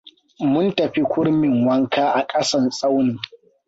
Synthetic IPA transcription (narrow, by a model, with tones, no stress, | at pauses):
mʊ˦ntɐ˨ɸi˦kʷʊ˦ɽmɪ˨ŋwɐ˦ŋkaː˦ʔa˨kʼɐ˦sɐ˦nsʼa˦wnɪ˨ŋ